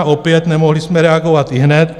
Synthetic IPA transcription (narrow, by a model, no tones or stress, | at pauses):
opjɛt̪nɛmoɦlismɛɾɛaɡoʋat̪iɦnɛt̪